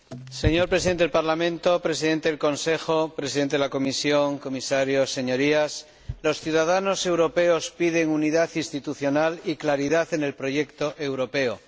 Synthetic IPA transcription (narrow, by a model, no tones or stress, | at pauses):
se̞ɲo̞ɾpɾesiðenlpaɾlamẽ̞nt̪o̞pɾe̞s̬iðe̞nt̪e̞ðelko̞nse̞xo̞pɾesiðent̪eelako̞misjo̞ŋko̞misaɾjo̞se̞ɲo̞ɾias | lo̞sθjuðað̞ano̞se̞wɾo̞pe̞o̞spiðe̞ŋuniðaθinst̪it̪uθjo̞naliklaɾiðaθe̞ne̞lpɾo̞ʝe̞kt̪o̞ʔewɾo̞pe̞o